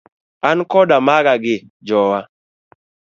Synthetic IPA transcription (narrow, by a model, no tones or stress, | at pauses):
ankɔdamaɡaɡɪ | d͡ʒɔwa